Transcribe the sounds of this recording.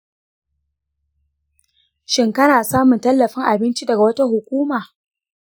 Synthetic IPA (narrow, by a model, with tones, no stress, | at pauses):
ʃɪ˦ŋkɐ˦naː˨saː˦mʊ˨ntɐ˦lːɐ˨ɸɪ˦ŋʔa˨bɪ˦nt͡ʃi˦dɐ˨ɡa˨wɐ˦ta˦ɦʊ˨kʷuː˦maː˨